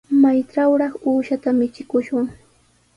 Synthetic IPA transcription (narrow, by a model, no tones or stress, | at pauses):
majʈ͡ʂawɾɑχuːʃat̪amɪt͡ʃɪkʊʃʊŋ